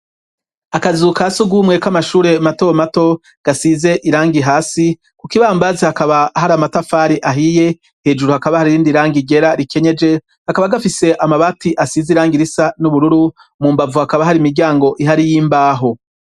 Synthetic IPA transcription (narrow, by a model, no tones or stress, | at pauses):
akazuːkasuɡumŋe̞kamaʃuːɾe̞mato̞mato̞ | ɡ̥asize̞ʔiɾaːŋɡiɦaːsi | kukiβaːmbazihakaβahaɾamatafaːɾiʔaɦije̞ | he̞ːd͡ʒuɾuhakaβahaɾiɾiːndiɾaːŋɡiɡe̞ɾaɾike̞ɲe̞d͡ʒe̞ | hakaβaɡafise̞ʔamaβatiʔasiziɾaːŋɡiɾisanuβuɾuɾu | muːmbavuhakaβaɦaɾimiɾɟaːŋɡo̞ʔiɦaɾijiːmbaːɦo̞